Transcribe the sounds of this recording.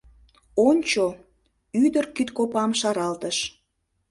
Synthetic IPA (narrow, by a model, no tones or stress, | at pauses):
onʲt͡ɕo | yd̪ərkit̪kopɑmʃɑɾɑlt̪əʃ